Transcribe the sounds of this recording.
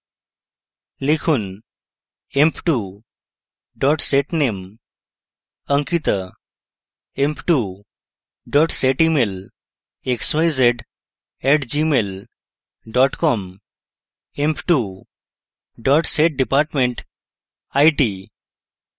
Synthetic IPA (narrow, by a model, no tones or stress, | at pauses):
likʰuːn | empʈu | ɖɔʈseʈnem | əŋkit̪ə | empʈu | ɖɔʈseʈimel | eksajzeʈ | ɛʈd͡ʑimel | ɖɔʈkɔm | empʈu | ɖɔʈseʈ̚ɖipaɾʈmẽɳʈ | ajʈi